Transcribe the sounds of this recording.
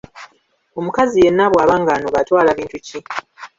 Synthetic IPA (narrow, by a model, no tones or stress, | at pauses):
o̞mukazije̞nːaβwaːβaːŋɡaːnoβatwaːlaβiːntuci